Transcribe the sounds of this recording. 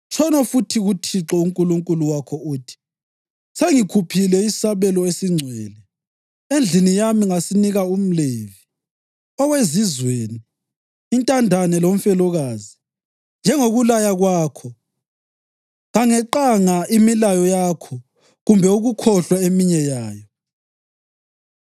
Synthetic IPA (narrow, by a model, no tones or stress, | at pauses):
t͡ʃʰɔnɔfutʰiɣutʰiǁɔuŋkʼuluŋkʼuluwakʰɔuːtʰi̥ | seŋikʰupʰilɛisaβɛlɔesiŋ͡ǀʱwɛːlɛ | end͡ɮʱinijamiŋasiniɣaum̩leːvi | ɔwezizweːniː | ntʼandʱanɛlom̩fɛlɔɣazi | nd͡ʒʱɛŋoɣulajaɣwaːkʰɔ | ɣaŋɛǃaŋaimilajɔjakʰɔ | ɣumbʱɛuɣukʰɔɬwaemiɲɛjaːjɔ